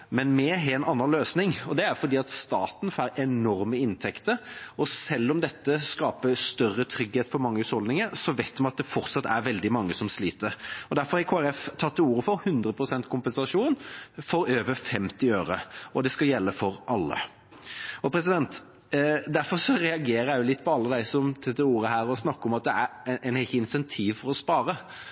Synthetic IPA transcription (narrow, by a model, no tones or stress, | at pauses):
mɛnmɛɦɛnɑnːɑnløːsnɪŋɔd̪ɛæɾfɔɾd̪iːɑt̪st̪ɑːt̪nfæːɾʔɛnɔɾməɪnt̪ʰɛkt̪əɾɔsɛlːɔmd̪ɛt̪ːəskɑːpəst̪œrːət̪ʰɾʏɡheːt̪fɔɾmɑŋːəʉshɔld̪ɪŋəɾsɔʋeɪt̪mɑnɑt̪̚d̪ɛfɔɾt̪sɑt̪ːæ̰ɾʋɛld̪ɪmɑŋːəsɔmsliːt̪əɾɔd̪æɾfɔɾhækʰoːæɾɛft̪ʰɑt̪ːɪuːɾəfɔɾhʉnd̪ɾəpʰɾʊsɛnt̪kʰʊmpɛnsɑʂuːnfɔɾøːʋəɾfɛmt̪ɪøːɾə̰ɔd̪ɛskɑjɛlːəfɔɾʔɑlːə̰ | ɔpʰɾɛs̬ɪd̪ɛnt̪ | d̪æɾfɔɾʂɔɾɛɑɡeːɾəjæɪjʊlɪt̪ːpʰɔɑlːəd̪æɪsɔmt̪ʰɪd̪ɛuːɾəɦæːɾɔsnɑkːɔmɑt̪̚d̪ɛæɾɛɪnɛçəɪnsɛnt̪ʰiːʋfɔɾɔspɑːɾə